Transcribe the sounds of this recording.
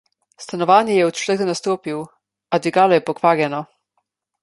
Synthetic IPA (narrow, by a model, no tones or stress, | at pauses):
st̪anɔʋaːnjɛjɛut͡ʃlɛd̪ɔnast̪oːpiw | ad̪iɡaːlɔjɛpɔkʋaːɾjɛnɔ